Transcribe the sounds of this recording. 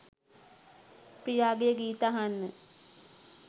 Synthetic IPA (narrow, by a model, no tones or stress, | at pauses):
prijaːɡejəɡiːt̪aɦanːə